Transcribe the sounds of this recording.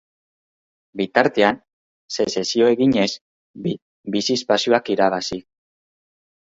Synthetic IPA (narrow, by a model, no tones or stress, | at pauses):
bit̪aɾt̪e̞an | se̞sesio̞e̞ɣiɲe̞s | bisispasio̞akiɾaβ̞asi